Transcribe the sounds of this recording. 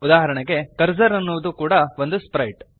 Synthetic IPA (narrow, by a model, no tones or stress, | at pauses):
ud̪aːɦɐɾɐɳɐɡe̞kɐɾd͡ʒɐɾɐnːuʋɐd̪ukuːɽɐʋo̞nd̪uspɾɐjʈ